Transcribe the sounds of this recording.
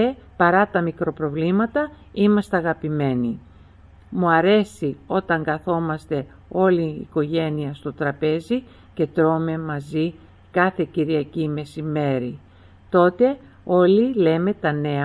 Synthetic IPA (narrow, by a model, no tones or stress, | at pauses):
epɐɾɐt̪ɐmikɾo̞pɾo̞vlimɐt̪ɐ | imɐst̪eɐɣɐpime̞ni | muɐɾe̞sio̞t̪ɐŋɡɐθo̞mɐst̪e̞ | o̞lḭːko̞ʝe̞niɐst̪o̞t̪ɾɐpe̞zi | ce̞t̪ɾo̞me̞mɐzi | kɐθe̞ciɾiɐcime̞sime̞ɾi | t̪o̞t̪e̞ | o̞lile̞met̪ɐne̞